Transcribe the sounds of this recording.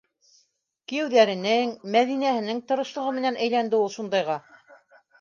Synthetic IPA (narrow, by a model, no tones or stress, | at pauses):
kijɘ̆wðæɾɘ̆nɘŋmæðinæhɘ̆nɘŋt̪ŏɾɤ̆ʃlˠɤ̆ʁɤmɘ̆nænæjlænd̪ɘulˠʃund̪ɑjʁɑ